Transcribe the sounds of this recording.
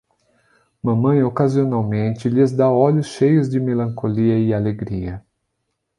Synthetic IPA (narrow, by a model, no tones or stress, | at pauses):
mɐ̃mɐ̃j̃okazionawmẽnt͡ʃɪʎɪzd̪aɔʎʊsʃejʊzd͡ʒɪmelɐ̃ŋkoliɐɪaleɡɾiɐ